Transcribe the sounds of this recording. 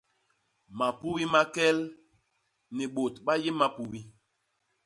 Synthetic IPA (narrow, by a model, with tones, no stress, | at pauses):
ma˨pu˦wi˦ma˦kɛ˦l | ni˨ɓo˨tɓa˦je˦ma˦pu˨wi˦